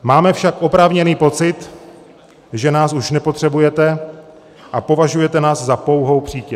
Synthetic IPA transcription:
maːmɛfʃakʔo̞pɾaːvɲɛniːpo̞t͡sɪt̪ | ʒɛnaːsuʃnɛpo̞t̪r̝̥ɛbujɛt̪ɛ | ʔapo̞vaʒujɛt̪ɛnaːszapo̞wɦo̞wpr̝̥iːcɛ

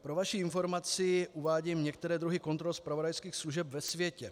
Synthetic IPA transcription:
pɾo̞vaʃiɪnfo̞ɾmat͡sɪʔuvaːɟiːmɲɛkt̪ɛɾɛːd̪ɾuɦɪko̞nt̪ɾolspɾavo̞dajskiːxsluʒɛpvɛsvjɛcɛ

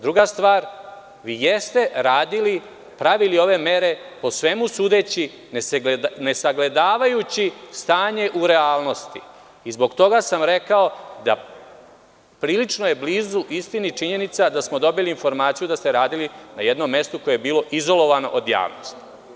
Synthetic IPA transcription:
d̪ɾuɡast̪ʋaːɾ | ʋiːjest̪e̞ɾaːd̪ili | pɾaʋilio̞ʋe̞me̞ɾe̞ | po̞sʋe̞musuːd̪et͡ɕi | nnesaɡle̞d̪aːʋajut͡ɕist̪aːɲe̞ʔuɾe̞aːlˠno̞st̪i | izbo̞ɡt̪o̞ɡasamɾe̞kao̞d̪a̰ | pɾiːlit͡ʂno̞je̞bliːzuʔist̪init͡ʂiɲe̞nit̪sad̪asmo̞d̪o̞biliːnfo̞ɾmaːt̪sijud̪ast̪eɾaːd̪ilinaje̞d̪no̞mːe̞st̪uko̞jeebiːlo̞ʔizo̞lo̞ʋano̞ʔod̪ja̰ːʋnost̪i̥

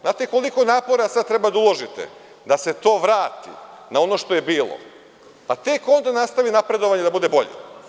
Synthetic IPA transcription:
znaːt̪eko̞likonaːpo̞ɾasad̪̚t̪ɾe̞bad̪aulˠo̞ʒit̪ḛ | d̪ase̞t̪o̞ːʋɾaːt̪ḭnao̞no̞ʃt̪o̞je̞biːlˠo̰ | pat̪e̞ko̞nd̪anast̪aʋinapɾe̞d̪o̞ʋaɲed̪abud̪e̞bo̞ʎḛ

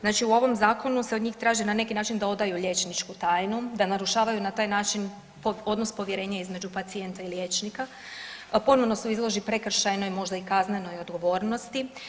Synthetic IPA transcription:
znaːt͡ʃiuo̞ʋo̞mzaːko̞nuse̞od̪ɲiːxt̪ɾaːʒinane̞kinaːt͡ʃind̪ao̞d̪ajuʎje̞t͡ʃnit͡ʃkut̪aːjnud̪anaɾuʃaːʋajunat̪aːjnaːt͡ʃin | po̞d̪nospo̞ʋje̞ɾe̞ːɲaizme̞d͡ʒupat̪sie̞nt̪ailjeːt͡ʃnika | po̞noʋno̞suizlˠo̞ʒipɾekr̩ʃajno̞jmo̞ʒd̪aikazne̞no̞jo̞d̪ɡo̞ʋo̞ːɾno̞st̪i

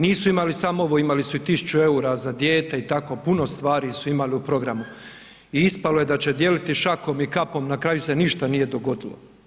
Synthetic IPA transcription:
niːsuimalisamooʋo̞imalisuit̪isu̥t͡ʃue̞uːɾazad̪je̞ːt̪e̞it̪ako̞puno̞st̪ʋaːɾisuimaliupɾo̞ɡɾamu | iispaloje̞d̪at͡ɕe̞d̪je̞lit̪iʃako̞mikapo̞mnakɾaːjuse̞niʃt̪anije̞d̪o̞ɡo̞d̪ilo̰

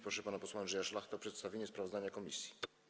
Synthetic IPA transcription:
pɾɔʂɛpanapɔswanʐɛjaʂlaxt̪ɛɔpʂɛt̪st̪avʲjeɲɛspɾavɔzd̪aɲakɔmʲḭsʲji̥

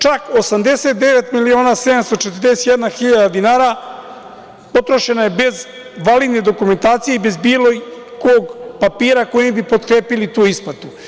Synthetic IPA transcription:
t͡ʃakosamd̪e̞se̞t̪̚d̪e̞ʋet̪milio̞ːnase̞d̪amst̪ot͡ʃet̪ərd̪e̞se̥t̪jed̪naxiʎad̪ad̪inaːɾa | pot̪ɾo̞ʃe̞naje̞be̞z | ʋalid̪ne̞d̪o̞kume̞nt̪aːt̪sije̞ibe̞zbiːloikoːɡpapiːɾako̞jimibipo̞t̪̚kɾeːpilit̪uːispat̪u

